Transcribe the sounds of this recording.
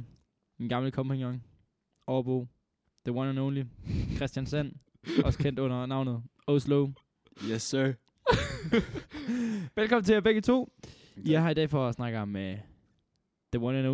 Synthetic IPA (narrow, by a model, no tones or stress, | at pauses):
enɡ̥ɑ̈mləkʰɒ̽mpʰeŋɒŋ | ʔɒʊɐb̥oː | ð̥əwɒnənoʊnlikʰʁɛsd̥jænsæn̰ | ʔɒ̽sə̥kʰen̰d̥ɔ̽n̰ɐnɑ̈ʊ̰nəð̩ˠ | osloʊ | jɛsø | ʋelkʰɒ̽mn̩t͡sʰeæb̥eɡ̥ət͡sʰo̝̰ː | jɑ̈ɪhɑ̈id̥ɛ̰ːfɒsnɑ̈ɡ̥əɒmːe | ð̥əwɒnəno